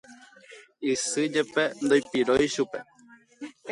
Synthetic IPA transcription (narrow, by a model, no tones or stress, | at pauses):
isɨd͡ʒepend̪ojpiɾojʃupe